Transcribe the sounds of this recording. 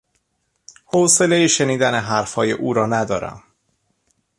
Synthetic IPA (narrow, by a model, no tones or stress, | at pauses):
hose̞le̞jeʃe̞niːd̪æne̞ɦæɾfhɒːje̞ʔuːɾɒːnæd̪ɒːɾæ̰m